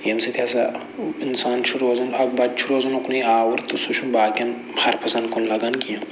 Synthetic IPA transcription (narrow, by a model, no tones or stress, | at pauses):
jemset̪ʰʲaːs̬a | insaːnt͡ʃʰuɾoːzɐnɐk̚bɐt͡ʃʰuɾoːzɐnukniaːwɐɾt̪usut͡ʃʰunbaːkʲɐn | hɐɾpʰɐsɐnd̪konlɐɡɐnkijɐ̃